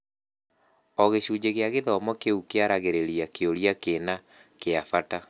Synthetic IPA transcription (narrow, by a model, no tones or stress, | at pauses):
ɔɣeɕuːd͡ʑeɣeaɣeðɔmɔkeukeaɾaɣeɾeɾiakeoɾiakena | keafata